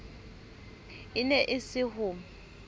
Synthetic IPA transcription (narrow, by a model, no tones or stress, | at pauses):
ɪnɛʔɪsɪɦʊːm̩